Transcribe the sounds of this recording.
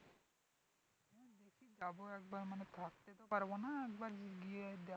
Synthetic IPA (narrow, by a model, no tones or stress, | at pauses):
mɔd̪ekʰid͡ʒaboɛk̚baɾmanet̪ʰak̚t̪et̪ɔpaɾbonaɛk̚baɾd͡ʒiɡied̪ɛ